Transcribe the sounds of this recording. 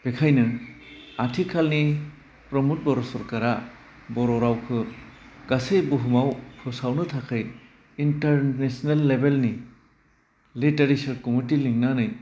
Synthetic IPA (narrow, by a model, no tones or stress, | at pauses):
b̥ekʰajnɯ | atʰikʰalni | pɾɔmut̚bɔɾɔsɔɾkaɾa | bɔɾɔɾawkʰɯ | ɡ̥asejbɯɦumawpʰɯsawnɯtʰakʰɯj | inteɾnesnelːebelni | liteɾisɯɾkumitiliŋnanɯj